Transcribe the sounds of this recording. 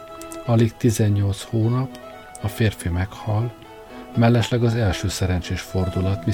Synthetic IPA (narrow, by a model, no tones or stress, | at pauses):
ɒlikt̪izɛɲːo̞lt̪shoːnɒp | ɒfeːrfimɛkhɒl | mɛlːɛʃlɛɡɒzɛlʃøːsɛɾɛnt͡ʃeːʃfo̞rd̪ulɒt̪mi